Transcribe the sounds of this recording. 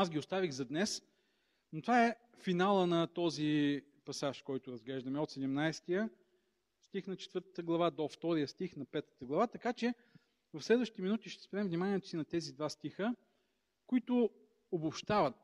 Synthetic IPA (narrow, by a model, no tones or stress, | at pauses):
asɡʲiʊst̪aviɣzɐd̪nɛs | not̪vaɛ | finalˠənɐt̪ɔzi | pɐsaʃkɔjt̪ʊɾɐzɡlɛʒd̪əmɛot̪sɛd̪ɛmnajst̪ijə | st̪ixnɐt͡ʃɛ̥t̪vɤɾt̪ət̪əɡlˠɐvad̪oft̪ɔɾijəst̪ixnɐpɛt̪ə̥t̪əɡlˠɐvat̪ɐkat͡ʃɛ | vɐfslɛd̪vəʃtit̪iminut̪iʃt̪ɛ̥spɾɛɛmvnimaniɛt̪ʊ̥sinɐt̪ɛzid̪vast̪ixə | kʊit̪ʊ | obopʃt̪avət̪̚